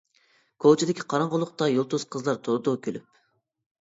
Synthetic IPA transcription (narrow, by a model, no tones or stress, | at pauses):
kʰot͡ʃʰɪd̪ɪkʲʰi̥qʰɑɾɑɴʁʊlˠʊqt̪ɑjolˠt̪uzqʰəzlˠɑɾt̪ʰod̪okʲʰølyp̚